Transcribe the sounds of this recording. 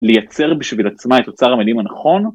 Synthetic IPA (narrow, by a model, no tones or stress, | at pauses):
lejat͡se̞ʁbiʃvilat͡smaet̪ːot͡saʁamedimanaχo̞n